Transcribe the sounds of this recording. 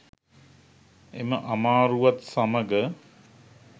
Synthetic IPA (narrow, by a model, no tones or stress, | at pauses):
eməʔamaːɾuʋat̪saməɡə